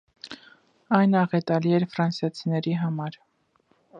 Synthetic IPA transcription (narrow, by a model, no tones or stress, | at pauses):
ɑjnɑʁɛt̪ɑliɛɾfɾɑnsjɑt͡sʰinɛɾiɦɑmɑɾ